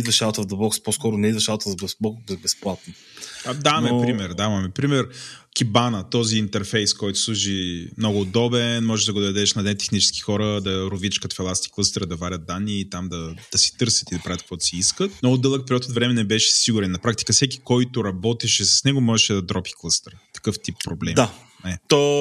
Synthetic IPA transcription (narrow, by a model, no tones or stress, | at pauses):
id̪vɐʃalˠt̪əvd̪ɐbɔkspɔskɔɾʊnɛid̪vɐʃalˠt̪əzbbˠɔkzɐbɛsplˠat̪̚no | d̪aɐmɛpɾimɛɾd̪aɐmɛpɾimɛɾkʲibanət̪ɔziːnt̪ɛɾfɛjskɔjt̪ʊ̥slˠuʒimnɔɡʊːd̪ɔbɛnmɔʒɛʒd̪ɐɡʊd̪ɐd̪ɛʃnɐd̪ɛnt̪ɛ̥xnit͡ʃɛ̥ski̥xɔɾəd̪ɐɾʊvit͡ʃkɐt̪fɛlˠast̪i̥klˠəst̪əɾəd̪ɐvaɾʲət̪̚d̪anːiːt̪amd̪ɐd̪̥ɐsɛ̥t̪ɤɾsə̥t̪id̪ɐpɾavʲjət̪kvɔd̪siiskət̪̚noːd̪ɤlˠək̚pɛɾjɔt̪ot̪vɾɛmɛnɛbɛʃɛ̥siɡʊɾɛnːɐpɾakt̪i̥kəfsɛki̥kɔjt̪ʊɾɐbɔt̪ɛʃɛsɐ̥snɛɡomɔʒɛʃɛd̪ɐd̪ɾɔpi̥klˠəst̪əɾt̪ɐ̥kɤft̪ippːɾoblɛmd̪a | nɛt̪o